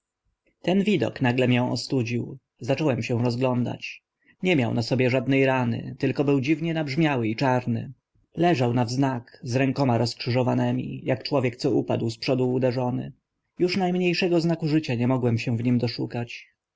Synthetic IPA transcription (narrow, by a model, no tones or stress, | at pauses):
t̪ɛnvʲid̪ɔ̰knaɡlɛmjɛ̃w̃ʔɔ̰st̪ud͡ʑiw | zat͡ʂɔwɛmɕɛw̃ɾɔzɡlɔnd̪a̰t͡ɕ | ɲɛmʲjawnasɔbʲjɛʐad̪nɛjɾanɘ̰t̪ɘlkɔbɘwd͡ʑivɲɛnabʐmʲjawɘit͡ʂaɾnɘ̰ | lɛʐawnavznakzɾɛŋkɔmaɾɔskʂɘʐɔvanɛmʲḭjakt͡ʂwɔvʲjɛk̚t̪sɔupad̪wspʂɔd̪uːd̪ɛʐɔnɘ̰ | juʂnajmɲejʂɛɡɔznakuʐɘt͡ɕaɲɛmɔɡwɛmɕɛw̃vɲimd̪ɔʂukat͡ɕ